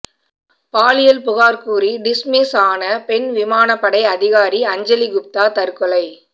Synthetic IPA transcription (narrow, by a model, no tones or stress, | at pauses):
paːlɪjɐlpʊɣaːɾkuːɾiɖɪsmisaːnɐpɛnʋɪmaːnɐpːɐɽɐɪɐðɪɣaːɾiɐɲd͡ʒɐliɡʊp̚t̪aːt̪ɐɾkɔlɐɪ